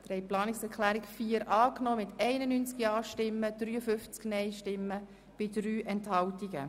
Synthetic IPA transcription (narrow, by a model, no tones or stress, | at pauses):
t̪ɾɛɪplɑːnɪksɛɾkʰlæːɾɪkfiːəɾʔɑːknɔːmɪt̪ɛɪnənyːnt͡skjɑːʃtɪmːəd̥̪ɾyːəfʏft͡sknɛɪʃtɪmːə | b̥ɪdɾyːʔɛnthɑwtiɡə̰